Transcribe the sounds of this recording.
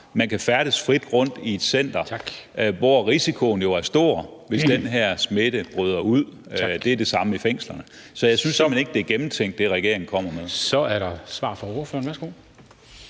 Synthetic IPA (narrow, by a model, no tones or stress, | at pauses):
mænkʰæfæɐɾ̥əsfʁid̥ʁɔ̽n̰d̥ie̝d̥sen̰d̥ɐ̥ | ʋɒʁisikʰo̝n̩jo̝æɐsd̥o̝̰ɐʋe̝sd̥enɦɛɐ̰smeɾ̥əb̥ʁyð̞ˠɐuð̰ˠ | d̥e̝æɐd̥e̝sɑ̈məifeŋ̰slɐnə | sɒ̽jɑsynsːɒmene̝ɡ̥̚d̥e̝æɐɡ̥emm̩t͡sʰeŋ̰ɡd̥ːe̝ʁɛɡ̥e̝ɐ̰e̝ŋ̩kʰɒ̽m̰ɐmeðˠssɒ̽æɐɾɑsʋɑ̰̈ːfɒoːɐfø̰ɐn̩ʋæɐsɡ̥o̝̰